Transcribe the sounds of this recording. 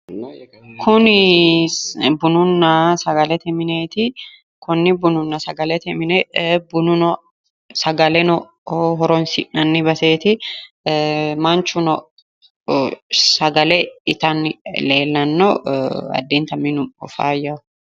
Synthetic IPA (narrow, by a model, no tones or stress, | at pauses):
kʰʊnɪ | bʊnʊnːɐsɐɡɐlɛt̪ɛmɪneːt̪ɪ | kʊnːɪbʊnʊnːɐsɐɡɐlɛt̪ɛmɪnɛbʊnʊnɔ | sɐɡɐlɛnɔ | ɦɔɾɔnsɪ̰nɐnːɪbɐse̞ːt̪ɪ | mɐnt͡ʃʊnɔ | sɐɡɐlɛɪt̪ɐnːɪle̞ːlːɐnːɔɐ̰d̪ːeːnt̪ɐmɪnʊɔ̰fa̰ːjɐʊ